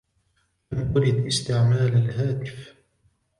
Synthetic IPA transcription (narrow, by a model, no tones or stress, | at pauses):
lamwʊɾɪd̪ʔɪst̪ɪʕmaːlalhaːt̪ɪf